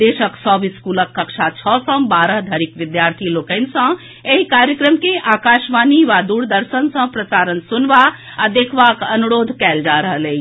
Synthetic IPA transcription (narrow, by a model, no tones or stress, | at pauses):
d̪eːʃəksɔːbiskuləkːəkʃʰat͡ʃʰɔsə̃mbaːɾəɦd̪ʱəɾikʋɪd̪jaɾt̪ʰiloːkə̃ɪnsə̃ | eɦikaːɾjəkɾəmkeʔaːkaːʃʋaːniʋad̪uːɽd̪əɾsənsə̃pɾəsaːɾənsunʋa | ad̪eːkʰʋakənuɾoːd̪ʱkɛːld͡ʒaɾəɦəlei